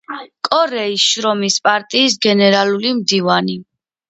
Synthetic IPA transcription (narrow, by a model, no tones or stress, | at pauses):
kʼɔɾɛisʃɾɔmispʼaɾt̪ʼiːs̬ɡɛnɛɾalulimd̪ivani